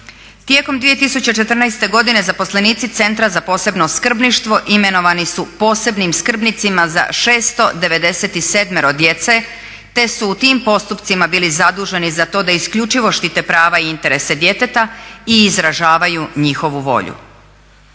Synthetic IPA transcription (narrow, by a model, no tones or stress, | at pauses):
t̪je̞ko̞md̪ʋije̞t̪isut͡ɕe̞t͡ʃe̞t̪rnajst̪e̞ɡo̞d̪ine̞zapo̞sle̞niːt̪sit̪se̞nt̪ɾazapo̞ːse̞bno̞skr̩bniʃt̪ʋo̞ʔime̞no̞ʋanisupo̞ːse̞bnimskr̩bnit̪simaza̰ʃe̞ːst̪o̞d̪e̞ʋe̞d̪e̞se̞t̪ise̞d̪meɾo̞d̪je̞t̪se̞ | t̪e̞suːt̪iːmpo̞st̪upt̪simabiːlizad̪uːʒe̞nizat̪o̞ːd̪aiskʎut͡ʃiʋo̞ʃt̪it̪e̞pɾaːʋaiint̪e̞ɾe̞se̞d̪je̞t̪e̞t̪aiːzɾaʒaːʋajuɲixo̞ʋuʋo̞̰ʎṵ